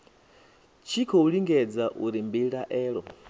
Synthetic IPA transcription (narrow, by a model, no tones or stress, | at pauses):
t͡ʃʰikʰɔuɺiŋɡɛd͡zaʔuɾimbiɺaʔɛːɺɔ